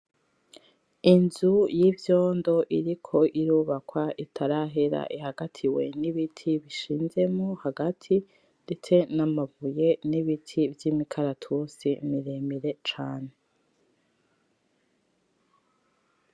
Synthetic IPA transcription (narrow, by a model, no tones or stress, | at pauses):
inzujivjo̞ːndo̞ʔiɾikʰo̞ʔiɾuːβakwaʔitʰaɾaɦeɾa̰ʔihaɡatʰiwe̞niβitʰiβiʃiːnze̞mohaɡatʰi | d̥et͡se̞namavujeniβitʰivjimikʰaɾatʰusimiɾemiɾe̞t͡ʃaːne